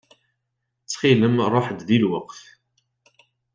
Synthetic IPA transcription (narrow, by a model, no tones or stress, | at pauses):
t͡sːχiləmɾˤoħd̪ðilwəqθ